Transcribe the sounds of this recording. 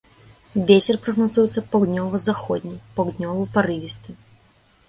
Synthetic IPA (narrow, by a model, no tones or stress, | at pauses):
vʲet͡sʲɛrpɾɐɣnazujɛt̪sɐpɐwd̪nʲɔvɨzaxɔd̪ʲnʲipawd̪nʲɔvɨpaɾɨvʲist̪ɨ